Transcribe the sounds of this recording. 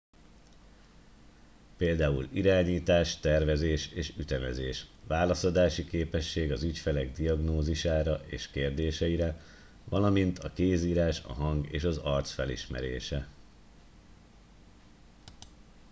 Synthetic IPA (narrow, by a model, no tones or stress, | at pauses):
peːld̪aːṵliɾaːɲiːt̪aːʃt̪ɛrvɛzeːʃeːʃyt̪ɛmɛzeːʃʋaːlɒsod̪aːʃikeːpɛʃːeːɡɒzycfɛlɛɡd̪iɒɡnoːziʃaːɾɒʔeːʃkeːrd̪eːʃɛiɾɛ | vɒlɒmint̪ʰɒkeːziːɾaːʃɒ̰ɦɒŋɡḛːʃɒzɒrt̪sfɛlḭʃmɛ̰ɾḛːʃɛ